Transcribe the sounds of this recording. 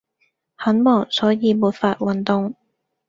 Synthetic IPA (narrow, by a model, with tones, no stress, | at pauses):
hɐ˨˥nmɔː˨˩ŋsɔː˨˥jiː˨˧muː˨˧t̚faː˧t̚wɐ˨nt̪ʊ˨˧ŋ